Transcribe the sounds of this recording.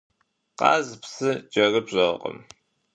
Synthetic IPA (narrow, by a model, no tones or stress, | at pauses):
qɑ̰ːzpsɨd͡ʒʼɐrɨbɕʼɐʁ̰qʼə̰m